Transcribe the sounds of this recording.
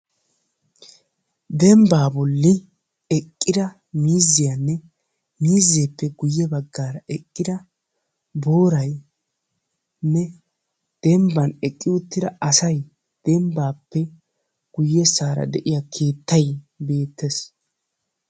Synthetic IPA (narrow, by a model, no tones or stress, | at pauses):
d̪ɛmbaːbɔlːɪ | ɛkʼːɪd̪ɐ | miːzːɪjɐnːɛ | miːzːeːpːɛɡʊjːɛbɐɡːaːɾɐʔɛkʼːɪd̪ɐ | bo̞ːɾɐj | nːɛ | d̪̥ɛmbɐnɛkʼːɪʊt̪ːɪd̪ɐɐsɐj | d̪̥ɛmbaːpːɛ | ɡ̥ʊjːɛsaːɾɐ̰d̪ɛʔɪjakʰe̞ːt̪ːɐjbe̞ːt̪ːɛs